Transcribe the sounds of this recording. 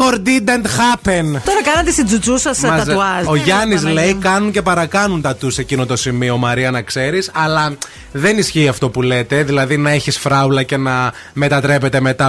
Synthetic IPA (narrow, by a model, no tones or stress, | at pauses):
koɾd̪id̪ɐnt̪xɐpent̪oɾɐkɐnɐt̪est̪id͡zut͡susɐsmɐɐɐzoʝɐniz̬le̞jkɐnuɲce̞pɐɾɐkɐnunt̪ɐt̪use̞cino̞t̪o̞simio̞mɐɾiɐnɐkse̞ɾisɐlɐ | ðe̞nisçiːɐft̪o̞pule̞t̪e̞ðilɐðinɐeçisfɾɐulɐce̞nɐ | me̞t̪ɐt̪ɾe̞pe̞t̪e̞me̞t̪ɐ